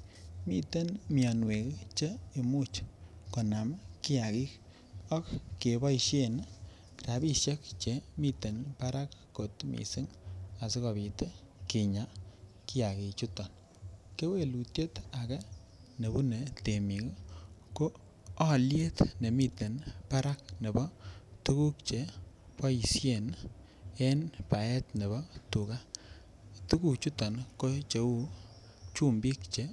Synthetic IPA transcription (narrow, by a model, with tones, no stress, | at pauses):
mi˦te˦nmi˨ɔ˨nwe˨kt͡ʃe˦e˨mu˦t͡ʃko˨na˨mkɪ˦a˨ki˦k | ɔ˦kke˨bɔ˦˨ʃe˦n | kɾa˨bi˦ʃe˦kt͡ʃe˨mi˦te˨npa˦ɾa˦kːo˨tmḭ˨si˦ŋa˨si˦kɔ˨βi˨te˦ | ki˨ɲa˨˦ | ki˦ja˨ki˨t͡ʃu˦tɔ˨n | ke˦we˦˨lu˨tje˦ta˨kɛ˦ | ne˨bu˦ne˨te˨mi˨ɡko˦ | ɔ˦lje˦tne˨mi˦te˨npa˦ɾa˦k̚ne˨bɔ˦tu˦ku˦kt͡ʃe˨pɔ˦i˨sje˦˨n | e˦npa˨ɛ˦tne˨βɔ˦tu˨ka˦ | tu˦ku˦kt͡ʃu˦tɔ˨nko˦t͡ʃe˨u˦ | t͡ʃu˦mbi˦k̚t͡ʃe˨˦